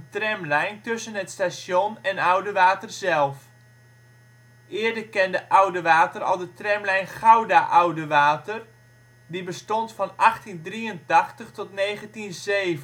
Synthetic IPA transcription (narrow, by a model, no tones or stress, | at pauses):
əntrɛmlɛjntɵsənɦətstasjonɛnawdəʋaːtərzɛlˠf | ʔɪːɹdərkɛndəʔawdəʋaːtərɑ̰lˠdətrɛmlɛjnχawdaʔɔwdəʋaːtər | dibəstɔntfɑnɑχtindriəntɑχtəχtɔtnejχəntinzejvə